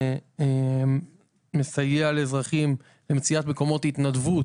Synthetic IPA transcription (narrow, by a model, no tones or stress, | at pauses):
e | esajealezʁaχim | lemet͡siat̪meko̞mo̞t̪it̪nadvu